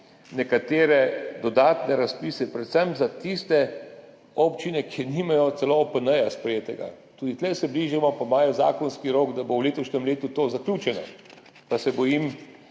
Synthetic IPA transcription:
nɛkat̪eːɾɛd̪ɔd̪aːt̪nɛɾaspiːsɛpɾɛt̪sɛmzat̪ist̪ɛ | ɔpt͡ʃinɛkʰiniːmajɔt̪sɛlopənəjaspɾɛjeːt̪ɛɡa̰t̪uːd̪it̪lɛsɛbliːʒimɔpamaːjɔzaːkɔnskiɾoːɡd̪abowleːt̪ɔʃnɛmleːt̪ut̪oːzaklʲut͡ʃɛnɔ̰ | pasɛbɔjim

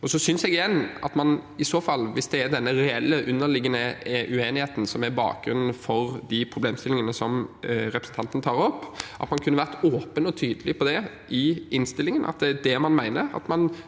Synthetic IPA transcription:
ɔsɔsʏnsɛɡɪjɛnːɑt̪mɑnɪsoːfɑlːʋɪsd̪ɛæɾd̪ɛnːəɾɛɛlːəʔʉnːəlɪɡːənəʔʉeːnɪheːt̪n̩sɔmæɾbɑ̰ːk̚ɡɾʉnːn̩fɔɾd̪ɪpʰɾʊbleːmst̪ɪlːɪŋənəsɔmɾɛpɾəsn̩t̪ɑnt̪ənt̪ʰɑːɾɔpːʔɑ̰t̪mɑnkʰʉnːəʋæʁt̪oːpənɔt̪ʰyːd̪əlɪpʰɔd̪ɛ | ʔɪɪnst̪ɪlːɪŋənʔɑ̰t̪̚d̪ɛæd̪ɛmɑnmæɪnəɾɑ̰t̪mɑn

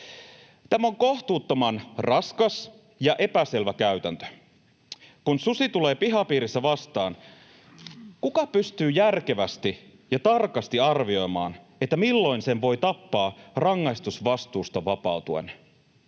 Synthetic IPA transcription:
t̪æmæo̞ŋko̞ht̪uːt̪ːo̞mɑnrɑskɑs | jɑʔe̞pæse̞lʋækæyt̪ænt̪ø̥ | kunsusit̪ule̞ːpiɦɑpiːɾist̪ːæʋɑst̪ɑːn | kukɑpyst̪yːjærke̞ʋæst̪i | jɑt̪ɑrkɑst̪iɑrʋio̞jmɑ̰ːn | et̪ːæmilːo̞jnse̞nʋo̞jt̪ɑpːɑːrɑŋːɑjst̪usʋɑst̪uːst̪ɑʋɑpɑut̪uḛn

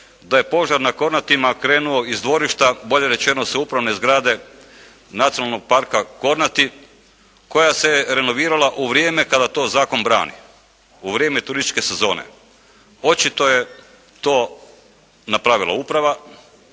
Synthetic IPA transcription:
d̪aje̞po̞ʒaɾnako̞ɾnat̪imakɾe̞ːnuo̞izd̪ʋo̞ɾiʃt̪abo̞ʎe̞ɾe̞t͡ʃe̞no̞seupɾaʋnezɡɾaːd̪e̞ | nat̪sijonalˠno̞ɡ̚paɾkako̞ɾnat̪i | ko̞jaseɾe̞no̞ʋiːɾalˠaʔuʋɾijeːme̞kad̪at̪o̞ːzaːko̞nbɾa̰ːnḭ | uʋɾjemet̪uɾist̪ʲt͡ʃke̞se̞zo̞ːnḛ | o̞t͡ʃit̪o̞je̞ | t̪o̞ː | napɾaːʋilˠa̰upɾaʋa

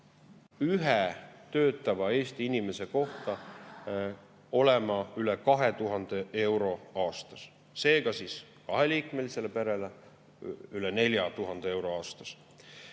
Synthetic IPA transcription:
yɦɛt̪ø̞ːt̪ːˑɑvɑe̞ːst̪iinime̞se̞ko̞ht̪ɑ | o̞le̞mɑylekɑɦe̞t̪uɦɑnd̪̥e̞e̞wɾo̞ɑːst̪ɑs | se̞ːɡ̥ɑsiːs | kɑɦeliːkme̞liselepeɾe̞le | ylene̞lʲjɑt̪uɦɑnd̪̥ee̞wɾo̞ɑːst̪ɑs

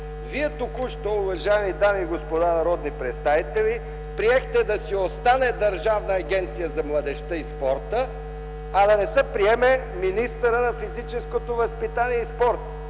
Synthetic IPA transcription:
viɛt̪ʊkuʃt̪oʊvɐʒaɛmid̪amiːɡospod̪anɐɾɔd̪nipɾɛt̪st̪avit̪ɛli | pɾiɛxt̪ɛd̪ɐsiost̪anɛd̪ɐɾʒavnɐːɡ̟ʲɛnt̪sijəzɐmlˠɐd̪ɛʃt̪əispɔɾt̪ə | ɐd̪ɐnɛsɛpɾiɛmɛ | minist̪əɾənɐfizit͡ʃɛskot̪ovɐspit̪aniɛispɔɾt̪

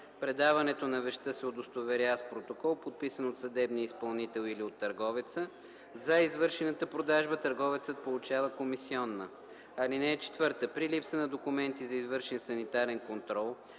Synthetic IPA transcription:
pɾɛd̪avɐnɛt̪onɐvɛʃt̪əsɛod̪ost̪ovɛɾjaspɾot̪okɔlˠpot̪̚pisənot̪sɐd̪ɛbniəispɐlˠnit̪ɛlˠiliot̪ːɐɾɡɔvɛt̪sə | zɐizvɤɾʃɛnət̪əpɾod̪aʒbət̪ɐɾɡɔvɛt̪sət̪̚polˠut͡ʃavəkomisiɔnːə | ɐlinɛɛt͡ʃɛ̥t̪vɤɾt̪əpɾilipsənɐd̪okʊmɛnt̪izɐizvɤɾʃɛnsɐnit̪aɾɛnkont̪ɾɔlˠ

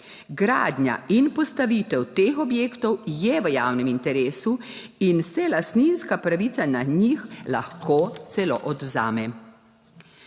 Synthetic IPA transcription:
ɡɾa̰ːd̪ɲa̰inpɔst̪aʋit̪ɛwt̪eːxɔbjeːkt̪ɔwjɛʋəjaːwnɛmint̪ɛɾeːsu | insɛlast̪ninskapɾaʋiːt̪sanaɲixla̰xkoːt̪sɛlo̰ːʔɔd̪wzaːmɛ

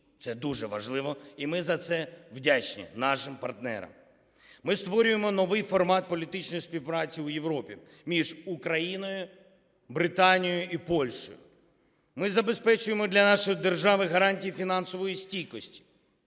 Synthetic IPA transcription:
t̪sɛd̪uʒɛʋɐ̰ʒlˠɪʋɔimɪzɐt̪sɛwdʲat͡ʃnʲḭnɑʃɪmpɐrt̪nɛ̰ɾɐ̰m | mɪst̪ʋɔɾʲʊjemɔnɔʋɪjfɔrmɑt̪̚pɔlʲit̪ɪt͡ʃnɔjispʲiwpɾɑt͡sʲiʊjeʋɾɔpʲḭ | mʲiʒukɾɐjinɔjʊ | bɾɪt̪ɑnʲijjʊʔipɔlʲʃɔ̰jʊ̰ | mɪzɐbe̞spɛt͡ʃʊjemɔd̪ʲlʲɐnɑʃɔjid̪e̞rʒɑʋɪɦɐɾɑnʲtʲijifʲinɑnsɔʋɔjisʲtʲijkɔsʲtʲi̥

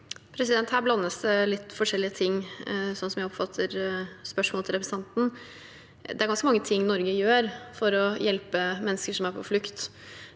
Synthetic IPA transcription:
pʰɾɛsɪd̪ɛnt̪hæːɾblɑnːəsd̪ɛlɪt̪ːfɔʂɛlːɪət̪ʰɪŋːsɔnsɔmjæɪɔpfɑt̪ʰːəɾspœʂmoɔlt̪ʰɪlɾɛpɾɛsɑnt̪n̩ | d̪ɛæɾɡɑnskəmɑŋːət̪ʰɪŋːnɔɾɡəjøːɾfɔɾɔjɛlpəmɛnːəskəʂɔmæɾpʰɔflʉkt̪

